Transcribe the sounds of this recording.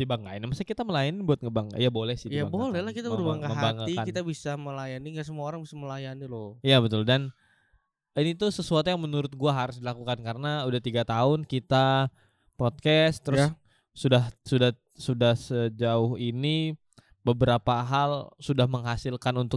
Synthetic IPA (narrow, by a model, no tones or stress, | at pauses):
t̪ibaŋkainimasakit̪aməlajanɪibuat̪̚ŋəbaŋa̰jabolɛhsɪ̥htjiabolɛhlahkit̪abəɾubaŋɡaməɦabaŋəiankit̪abisaməlajaniŋɡas̬əmuaoɾaŋbisaməlajanilʊijabət̪ʊldan | init̪usəsuat̪ujaŋmənuɾʊt̪̚ɡuaɦaɾʊs̬dilakukankaɾənaudaht̪iɡat̪aʊnkit̪a | pɔt̪̚kɛst̪ːəɾʊs | sudahsuda | sudahsəd͡ʒaʊhini | bəbəɾapaɦalsudahməŋɦasɪlkanunt̪ʊk